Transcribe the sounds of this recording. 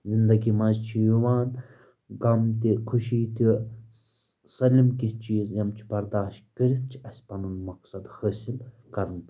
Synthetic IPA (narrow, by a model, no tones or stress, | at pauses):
zind̪ɐɡimɐzt͡ʃʰijuʋaːn | ɡɐmt̪ikʰuʃiːt̪i | sɐlimkit͡ʃʰiːzjɐmt͡ʃʰi̥bɐɾd̪aːʃt̪̚kəɾit̪̚t͡ʃʰi̥ɐsʲpɐnunmɐksɐd̪həːsil | kɐɾn